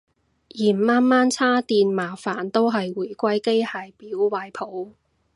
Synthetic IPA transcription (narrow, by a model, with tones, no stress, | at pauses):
jiː˨˩m˨maː˥nmaː˥nt͡sʰaː˥t̪iː˧nmaː˨˩faː˨˩nt̪o˥wɦɐ˨jwuː˨˩jkʷɐ˥jke˥jhaː˧jpiː˨˥wwaː˧jpʰo˨˧˥w